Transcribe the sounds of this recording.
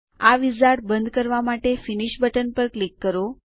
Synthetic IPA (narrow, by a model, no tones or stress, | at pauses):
aʋizaʈ̚bənd̪kəɾʋamaʈefiniʃbəʈənpəɾklikːəɾo